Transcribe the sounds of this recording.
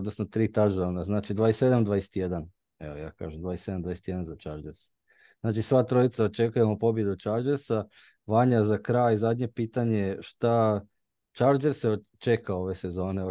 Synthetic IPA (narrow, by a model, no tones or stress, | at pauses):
od̪nosnot̪ɾiːt̪aʒonaznaːt͡ʃid̪ʋaːesːe̞d̪amd̪ʋaːjese̥t̪jed̪an | ḛʋoja̰ːka̰ːʒemd̪ʋaːjesse̞d̪amd̪ajese̥t̪jeanzat͡ʃaɾd͡ʒeɾs | znaːt͡ʃisʋat̪ɾo̞it̪saot͡ʃe̞kujemopo̞bje̞d̪ut͡ʃaːɾd͡ʒe̞ɾsa | ʋaɲazakɾajzad̪ɲe̞piːt̪aɲe̞ʃt̪a | t͡ʃaːɾd͡ʒe̞ɾseot͡ʃekao̞ʋe̞se̞zo̞ːne̞